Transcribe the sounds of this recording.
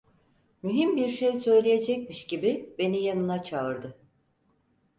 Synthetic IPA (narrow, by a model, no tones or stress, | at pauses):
myɦimbiɾʃejsø̞jlʲeje̞d͡ʒɛc̚miʃɟibibe̞nijanɯnat͡ʃʰaɯɾd̪ɯ